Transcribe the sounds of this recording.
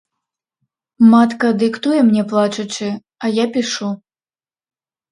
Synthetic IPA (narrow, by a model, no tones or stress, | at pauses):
mat̪kɐd̪ɨkt̪ujɛmnʲɛplˠat͡ʂɐt͡ʂɨ | ɐjapʲiʂu